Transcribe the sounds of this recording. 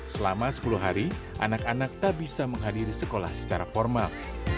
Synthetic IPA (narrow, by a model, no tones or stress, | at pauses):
səlamasə̥puluɦaɾi | ʔa̰nakanak̚t̪aʔbisaməŋɦadiɾisəkola̰hsə̥t͡ʃaɾafɔrmal